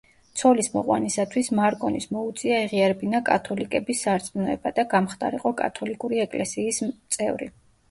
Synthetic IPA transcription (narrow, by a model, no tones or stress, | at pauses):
t̪sʰɔlismɔ̰qʼwa̰nisat̪ʰwismaɾkʼɔnismɔut̪sʼiaiʁiaɾɛbinakʼa̰t̪ʰɔlikʼɛbisːaɾt̪sʼinɔɛbad̪aɡamχd̪ʼa̰ɾiqʼɔkʼa̰t̪ʰɔlikʼuɾiɛkʼlɛsiːst̪sʼɛ̰vɾḭ